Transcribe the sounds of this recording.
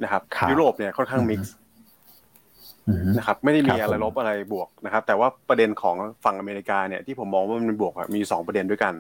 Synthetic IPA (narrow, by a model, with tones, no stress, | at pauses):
na˦˥kʰa˦˥p̚ʰju˦˥ɾoː˨˩p̚ni˥˩ɐkʰɔ˥˩nkʰaː˥˩ŋmi˦˥k̚s | na˦˥kʰa˦˥p̚ma˥˩jda˥˩miː˧ʔa˧ɾa˧jlo˦˥p̚ʔa˧ɾa˧jbu˨˩ək̚na˦˥kʰp̚t̪ɛː˨˩waː˥˩pɾa˧de˧nkʰɔː˩˦ŋfa˨˩ŋʔa˧meː˧ɾi˦˥kaː˧ni˥˩t̪ʰiː˥˩o˩˦mːɔː˧ŋwaː˥˩m˧m˧bu˨˩ək̚a̰˨˩miː˧sɔː˩˦ŋpɾa˧de˧ndu˥˩əjka˧n